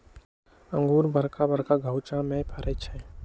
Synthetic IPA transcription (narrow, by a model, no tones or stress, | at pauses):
ə̃ŋɡuːɾbəɾkabəɾkaɡʱəwt͡ʃãmẽpʰaɾet͡ʃʰɛ